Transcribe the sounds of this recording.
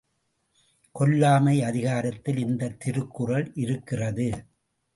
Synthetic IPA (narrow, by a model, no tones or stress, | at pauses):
kɔlːaːmɐɪɐðɪɣaːɾɐt̪ːɪlɪnd̪ɐt̪ːɪɾɯkːɯrɐɭʔɪɾɯkːɪrɐðɯ